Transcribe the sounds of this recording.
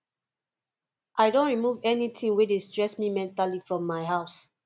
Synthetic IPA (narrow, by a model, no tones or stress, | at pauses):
ʔaɪdõnɹimuvɛnitʰĩŋwedestɹɛsmimɛ̃ntalifɹɔ̃mːaɪɦaʊs